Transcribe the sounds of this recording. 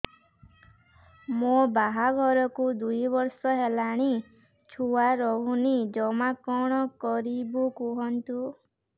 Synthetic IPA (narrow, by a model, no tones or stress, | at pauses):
mobaɦaɡʱɔɾɔkud̪ujbɔɾsɔɦelaɽ̃i | t͡ʃʰuwaɾɔɦunid͡ʒɔmakɔɽ̃ɔkɔɾibukuɦɔnt̪u